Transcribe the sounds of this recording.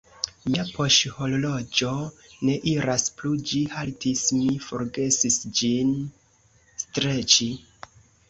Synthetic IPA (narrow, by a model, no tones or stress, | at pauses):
miapo̞ʃhololo̞d͡ʒo̞ne̞ʔiɾasplud͡ʒihaltismifo̞ɾɡe̞sisd͡ʒin | stɾe̞t͡ʃi